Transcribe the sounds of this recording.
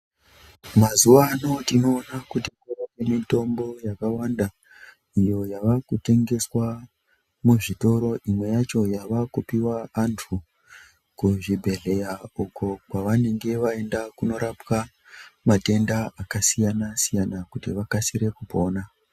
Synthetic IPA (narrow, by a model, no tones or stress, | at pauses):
mazuʋano̞tino̞ːnakuteŋɡerakemito̞mbo̞jakawanda | ijo̞jaʋakute̞ŋɡe̞swa | muʐito̞ɾo̞ʔimwe̞jat͡ʃo̞jaʋakupiwaantʰu | kuʐibʱe̞ɮe̞jauko̞kwaʋane̞ŋɡe̞ʋae̞ndakuno̞ɾapka | mate̞ndaakasijanasijanakutiʋakasiɾe̞kupo̞ːna